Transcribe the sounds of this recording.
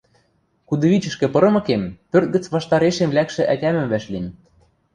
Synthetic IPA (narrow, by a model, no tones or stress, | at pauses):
kud̪ɤ̆βit͡ɕɘ̆ʃkɘ̆pɤ̆ɾɤ̆mɤ̆kempørt̪̚ɡɘ̆t͡sβɑʃt̪ɑɾeʃemlækʃĕʔætʲæmɘ̆mvæʃlinʲ